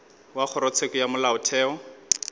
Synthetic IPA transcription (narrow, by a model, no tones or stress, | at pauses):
wak͡xʰʊɾɔt͡sʰekɔjamʊlaʊtʰɛːɔ